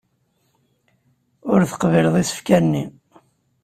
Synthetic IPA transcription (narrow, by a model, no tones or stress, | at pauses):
ʊɾθə̥qvilðˤisə̥fkænːi